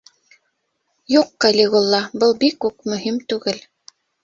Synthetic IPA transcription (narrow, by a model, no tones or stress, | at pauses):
juqːɐlʲiɡulˠːɑbɤlˠbikːʉk̚mɵ̆ɦimt̪ʉɡɘl